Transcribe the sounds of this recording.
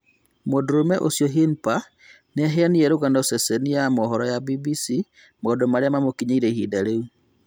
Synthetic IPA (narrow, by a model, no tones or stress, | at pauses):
modɾomɛʔosjɔɦinpa | neɦeanieɾoɣandɔsɛsenijamɔɦɔɾɔjabibisi | modomaɾeamamokiɲaiɾehidaɾeu